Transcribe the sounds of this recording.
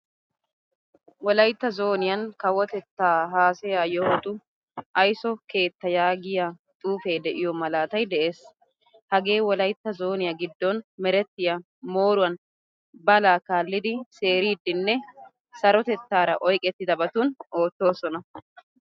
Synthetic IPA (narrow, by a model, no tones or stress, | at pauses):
wɔlɐjt̪ːɐzo̞ːnɪjɐnkɐwɔt̪ɛt̪ːaːɦaːsɛjajɔhɔt̪ʼʊ | ʔɐjsɔke̞ːt̪ːɐjaːɡɪjat̪ʼuːfeːd̪ɛʔɪjɔmɐlaːt̪ɐjd̪ɛʔe̞ːs | hɐɡe̞ːwɔlɐjt̪ːɐzo̞ːnɪjɐɡɪd̪ːɔnmɛɾɛt̪ːɪjɐ | mo̞ːɾʊwɐn | bɐlaːkaːlːɪd̪ɪse̞ːɾiːd̪ːɪnːɛ | sɐɾɔt̪ɛt̪ːaːɾɐ̰ʔɔjkʼɛt̪ːɪd̪ɐbɐt̪uno̞ːt̪ːo̞ːsɔnɐ